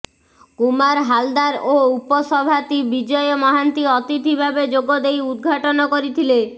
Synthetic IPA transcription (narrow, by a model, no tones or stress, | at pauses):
kumaɾɦald̪aɾoupɔsɔbʱat̪ibid͡ʒɔjɔmɔɦant̪iɔt̪it̪ibʱabed͡ʒoɡɔd̪ejud̪̚ɡʱaʈɔnɔkoɾit̪ʰile